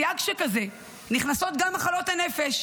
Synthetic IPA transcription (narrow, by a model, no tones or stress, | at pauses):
jakʃekaze̞ | niχnaso̞t̪̚ɡamːaχalo̞t̪ane̞feʃ